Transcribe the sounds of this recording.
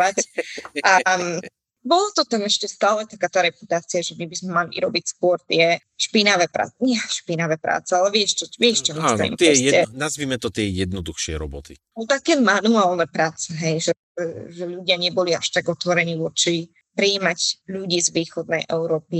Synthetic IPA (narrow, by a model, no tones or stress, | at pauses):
aca | bɔlat̪ɔt̪ɛnɛʃcɛst̪aːlɛt̪akaːt̪aɾɛput̪aːt͡siaʒɛmibizmɛmalḭʔɾɔbicskʊɔɾt̪ɪɛ | ʃpinaʋɛpɾa̰ːɲɛʃpinaʋɛpɾa̰ːt͡sɛalɛʋɪɛʃt͡ʃɔʋɪɛʃt͡ʃɔmilḭmp̪ɛɛnazʋiːmɛt̪ɔt̪ɪɛjɛd̪̚nɔd̪uxʃɪɛ̰ɾɔ̰bɔt̪i | ɔt̪akɛmanuaːlnɛpɾaːt͡sɛɦɛjʒɛ | ɛʒɛʎuɟɪaɲɛbɔliaʃt̪aɡɔt̪ʋɔɾɛɲiːʋɔt͡ʃi | pɾiːmacʎuɟiːzʋiːxɔd̪̚nɛjʔɛʊɾɔːpi